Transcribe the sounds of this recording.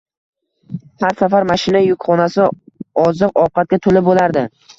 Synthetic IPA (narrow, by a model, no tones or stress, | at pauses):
haɾsafaɾmaʃɪnajʊkʲχɒnasɪɒzɨqɒwqʰɑt̪̚kʲat̪ʰolɪbolaɾd̪ɪ